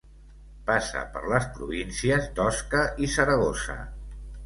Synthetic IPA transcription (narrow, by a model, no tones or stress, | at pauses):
pasə̰pə̰ɾləspɾuβinsiəzd̪ɔskəʔisəɾəɣosə̰